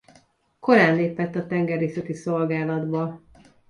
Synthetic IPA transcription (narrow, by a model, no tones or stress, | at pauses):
ko̞ɾaːnleːpɛt̪ːɒt̪ɛŋɡɛrːeːsɛt̪iso̞lɡaːlɒd̪bɒ